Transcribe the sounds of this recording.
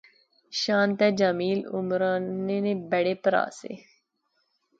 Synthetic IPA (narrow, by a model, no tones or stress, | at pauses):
ʃãːnt̪ɛːd͡ʒaːmiːlʊ̰mɾaːneːneːbəɽeːpəɾa̰ːsḛː